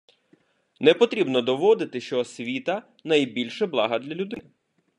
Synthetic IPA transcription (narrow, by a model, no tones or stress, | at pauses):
nɛpɔt̪ɾʲibnɔd̪ɔʋɔd̪ɪt̪ɪʃt͡ʃɔːsʲʋʲit̪ɐ | nɐjbʲilʲʃɛblˠɑɦɐd̪lʲɐlʲʊd̪ɪnɪ